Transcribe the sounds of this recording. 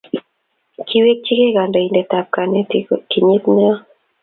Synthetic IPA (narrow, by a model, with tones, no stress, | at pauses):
kʰi˦we˦k̚t͡ʃi˦ke˦ka˨ndɔ˨i˨ndɛ˨ta˨p̚ka˨ne˦ti˦kki˨ɲi˦t̪ni˦ɔ˦